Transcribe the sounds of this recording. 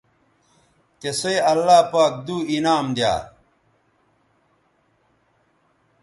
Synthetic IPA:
t̪esoeɐlːaːpaːk̚d̪uːinaːmd̪ja̰ː

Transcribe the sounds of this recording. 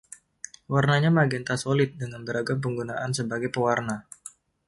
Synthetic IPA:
warnaɲamaɡɛnt̪asolɪt̪̚dəŋanbəɾaɡamp̬əŋɡunaʔansəbaɡajpəwarna

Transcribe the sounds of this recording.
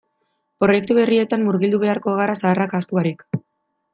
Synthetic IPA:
pɾo̞je̞k̚t̪uβe̞rie̞t̪ammuɾɣild̪uβe̞aɾko̞ɣ̞aɾasaːrakast̪uaɾik

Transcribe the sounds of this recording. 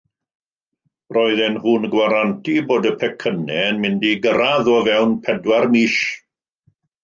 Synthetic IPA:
rɔɨðɛnhunɡwaɾantiboːdəpʰɛkʰənɛnmɪndiɡəɾaðɔvɛwnpʰɛdwarmiːʃ

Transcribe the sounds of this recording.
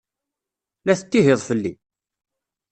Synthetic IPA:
læθət̪ːiɦɪðˤfəlːi

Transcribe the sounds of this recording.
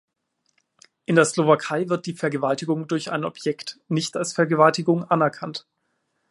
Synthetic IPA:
ʔɪndeːɐslovakʰaɪvɪɐt̚d̥iːfɛɐɡəvaltɪɡʊŋdʊɐça̰ɪnɔpʰjɛktnɪçtalsfɛɐɡəvaltɪɡʊŋʔanɛɐkʰant

